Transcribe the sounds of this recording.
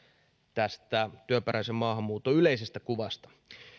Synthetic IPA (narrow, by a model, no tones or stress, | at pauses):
t̪æst̪æt̪yøpeɾæisemmɑːhɑmːuːt̪ːoyleisest̪ækuʋɑst̪ɑ̥